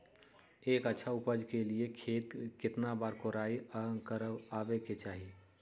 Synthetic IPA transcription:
eːkətːʃʰaʊpəd͡ʒkeliekʰeːt̪kɪt̪nabaːɾkoɾaːikəɾaːʋeket͡ʃaːɦi

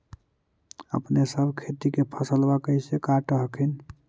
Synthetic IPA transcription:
ə̰pnesəbʱkʰet̪ikepʰəsəlbakəjsekaʈəɦəkʰin

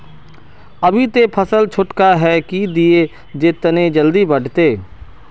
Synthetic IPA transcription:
ɐbʱit̪epʰɐsəlt͡ʃʰʊʈkaɦɛkid̪ie | d͡ʒet̪ned͡ʒəld̪ibɐɽ̤ʱt̪eː

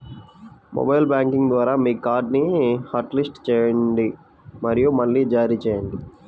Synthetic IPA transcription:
mo̰bɐjlbaːŋkiŋɡd̪ʋaːɾaːmiːkaːɾɖnihɐɾʈlisʈt͡ʃɛːjɐɳɳɖi | mɐɾijumɐɭːiːd͡ʒaːɾiːt͡ʃɛːjɐɳɖi

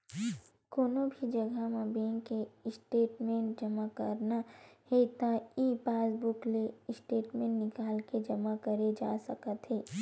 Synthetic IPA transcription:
koːnobʱid͡ʒɐɡʱamãbẽːŋkeɪsʈeːʈmẽːɳʈ̚d͡ʒɐmakə̰ɾnahet̪aiːpaːsbʊkleɪsʈeːʈmẽːʈnɪkaːlked͡ʒɐmakəɾed͡ʒa̰ːsɐkət̪ɦeː

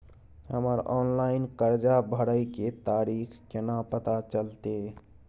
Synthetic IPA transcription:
ɦəməɾɔnlaɪinkəɾd͡ʒabʱəɽəjket̪aɾikʰkenapət̪at͡ʃəlt̪e

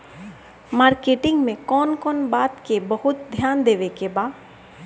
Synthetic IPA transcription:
maːɾkeːʈɪ̃ŋɡmẽkɔːnkɔːnbaːt̪kebɐɦʊt̪̚d̪ʱjaːnd̪eːʋekebaːd̪

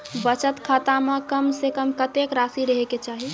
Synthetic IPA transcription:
bət͡ʃət̪kʰaːt̪amẽkəmsekəmkət̪ekɾaːsiɾəɦeket͡ʃaɦi

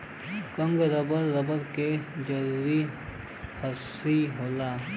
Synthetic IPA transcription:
kə̃ŋɡɾəbəɾːɐbəɾked͡ʒɐɾuːɾi | hɐsiɦoːlaː

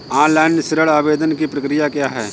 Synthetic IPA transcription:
ãːlaːnsɪɾəɭaːʋeːd̪ənkipɾəkɾɪjakjaːɦɛ̰ː

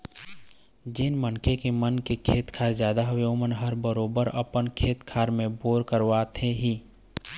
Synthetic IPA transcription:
d͡ʒɪnmənkekemənkekʰeːt̪kʰaːɾzjaːd̪aɦʊeomənɦəɾbəɾoːbəɾə̰pənkʰeːt̪kʰaːɾmẽboːɾkəɾʋaːt̪ʰeɦiː

